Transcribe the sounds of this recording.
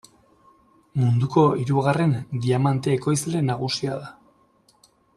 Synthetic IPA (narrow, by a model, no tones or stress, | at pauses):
mund̪uko̞iɾuɣare̞nd̪iamant̪e̞ːko̞jsle̞naɣusiaða